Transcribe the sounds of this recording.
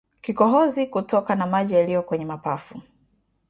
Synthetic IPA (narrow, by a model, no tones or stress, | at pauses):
kikɔɦɔzikutɔkanamaʄijalijɔkwɛɲɛmapafu